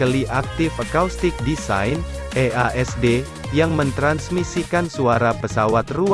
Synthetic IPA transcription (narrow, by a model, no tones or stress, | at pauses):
əliʔak̚t̪ɪfəkawst̪ɪk̚disa̰jn | eaʔɛsde | jaŋmənt̪ɾansmisikansuaɾapəsawat̪ru